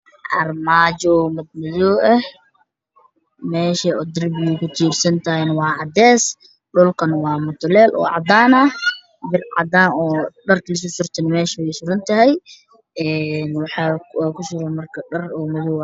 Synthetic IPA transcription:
ʕɑ̰rmaːt͡ʃɔmɐd̪̚mɪjɔɛh | mɛːʃɐɔd̪ɪrbɪjʊkʰʊt͡ʃ̪ʰiːrsɐnt̪ʰɐɦɛjnɐwɑːʕɑd̪ɛːs | ɖʊlkʰɐnwɑːmʊt̪ʰʊlɛːlʔɔ̰ːʕɑ̰d̪aːnɐh | b̪ɪrʕɑ̰d̪aːnɔːɖɐrklɪs̬ʊsʊrt̪ʰɐnmɛːʃɐβɛjsʊɾɐnt̪ʰɐɦɛj | ɛːnwɑħɑwːkʰʊʃʊɾɐnmɐrkʰɐɖɐrɔːmɪðɔ

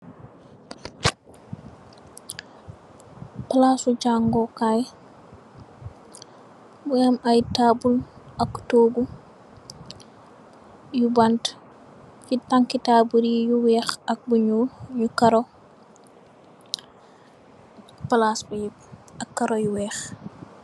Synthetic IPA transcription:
palasud͡ʒaŋɡɔkaj | buamajtabulʔaktobu | jubant | fitaŋkitaːbuɾijuwɛxak̚buɲuɲukaɾɔ | palasbuj | akːaɾɔjuwɛːx

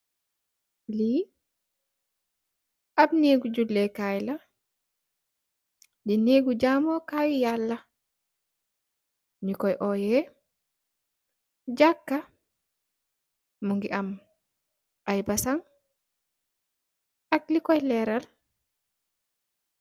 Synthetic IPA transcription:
li | ʔab̚neɡud͡ʒulːɛkajla | dineɡud͡ʒamɔkajijalːa | nikɔjʔɔjɛ | d͡ʒakːa | muŋɡiʔam | ʔajbasaŋ | ʔak̚likɔjlɛɾal

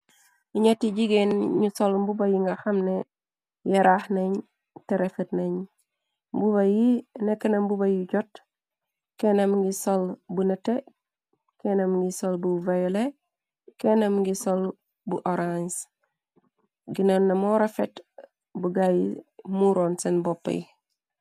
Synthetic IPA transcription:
iɲatiɟiɡenɲusolmbubɐjiŋɡaxɐmne | jɐɾahnɐɲ | teɾefetnɐɲ | mbuβɐjinekːɐnɐmbubɐjiɟot | kenɐmɡisolbunɐte | kenɐmɡisolbuvajole | kenɐmɡisol | buʔoɾans | ɡinonːɐmɔɾɐfet | buɡajimuɾɔːnsenbɔpːɐ̰j

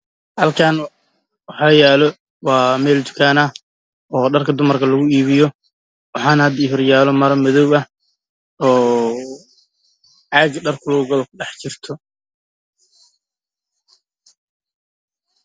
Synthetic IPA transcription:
hɐlkʰaːn | wɑħɑːjɛːlɔ | wɑːmɛːld͡ʒ̪ʊkʰaːnɐ | ɔːɖɐrkʰɐd̪ʊmɐrkʰɐlɐɣʊiːβɪjɔ | wɑħɑːnhɐd̪iːɦɔrjaːlɔmɐɾɐmɐðɔwɐh | ɔː | ʕɑːɡɐɖɐrkʰʊlɔʊɡɐβɐkʰʊɖɛħt͡ʃɪrt̪ʰɔ

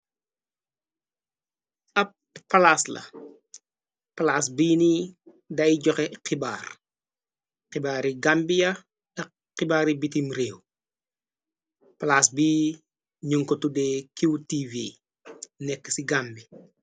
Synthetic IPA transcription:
ɐp̚pːɐlaslɐ̰ | pɐlaːs̬biːni | dɐjɟɔkɛqibaːr | qibaːɾiɡambijɐ | ɐ | qibaːɾibitimɾeːw | pɐlaːsbiː | ɲuŋkɔtudɛːkiwtivi | nɛkːə̥siɡambi

